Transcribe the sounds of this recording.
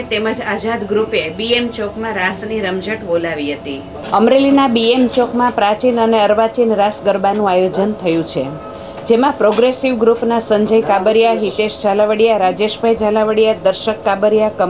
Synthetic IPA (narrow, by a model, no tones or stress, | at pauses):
t̪eməd͡ʒazad̪ɡɾupebiemt͡ʃokmãɾasniɾəmd͡ʒəʈbolaʋiɦət̪i | əmɾelinabiemt͡ʃokmãpɾat͡ʃinəneəɾʋat͡ʃinɾasɡəɾbanũajod͡ʒənt̪ʰəjũt͡ʃʰe | d͡ʒemãpɾoɡɾesiʋɡɾupnasəɲd͡ʒəjkabəɾjaɦit̪eʃd͡ʒalaʋəɽijaɾad͡ʒeʃbʱajd͡ʒalaʋəɽijad̪əɾʃəkːabəɾjakə